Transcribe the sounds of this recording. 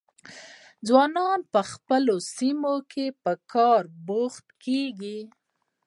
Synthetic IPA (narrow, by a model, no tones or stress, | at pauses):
d͡zwɑnɑnpəxpəlosimokʰepəkʰɑɾboxt̪keɡi